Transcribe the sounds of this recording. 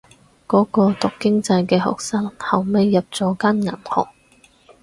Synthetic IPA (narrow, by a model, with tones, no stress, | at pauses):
kɔː˨˥kɔː˧t̪ʊ˨kkːɪ˥ŋt͡sɐ˧jkɛː˧ɦɔ̰ː˨k̚saː˥ŋhɐ˨wme˨˧jːɐ˨p̚t͡sɔː˨˥kɐ˥nŋɐ̰˨˩nhɔ̰ː˨˩k̚